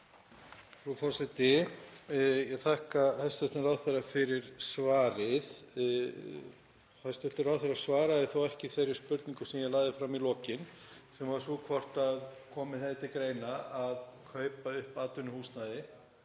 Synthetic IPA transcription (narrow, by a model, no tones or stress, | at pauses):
fɾufɔɾ̥sɛt̪ɪ | jɛɣθʰahkahast̪ɛft̪ɪrawðθɛɾafɪɾɪɾ̥svaːɾɪð | hajst̪ɛft̪ɪrawθɛɾasvaːɾaðɪθowɛhcɪθejɾɪɾ̥spʏɾt̪niŋkʏsɛmjɛɣlaːɣðɪfɾamilɔːcɪn | sɛmvaɾ̥sukʰvɔr̥t̪aðkʰɔːmɪθɛðɪt̪ʰɪlkɾejnaaðkʰœːɥpaʏhpaːt̪ʏnʏhuːsnaðɪ